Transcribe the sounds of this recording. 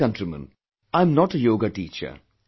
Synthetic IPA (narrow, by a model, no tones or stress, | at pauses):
ʌ̃nʈɾimə̰̃n | ãɪ̃mnɔʈəjoːɡaʈiːt͡ʃə̰